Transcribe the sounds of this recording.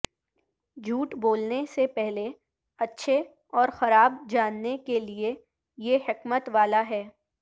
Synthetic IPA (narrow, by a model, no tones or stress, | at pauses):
d͡ʒʱuːʈboːlnesepɛɦle | ɐtːʃʰe | ɔːɾxɐɾaːbd͡ʒaːnːekelie | jehɪkmət̪ʋaːlaɦɛː